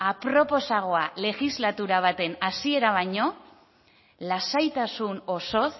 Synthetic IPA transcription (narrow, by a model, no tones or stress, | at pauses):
apɾo̞po̞saɣ̞o̞ale̞xizlat̪uɾaβ̞at̪e̞nasie̞ɾaβ̞aɲo̞ | lasajt̪asuno̞so̞θ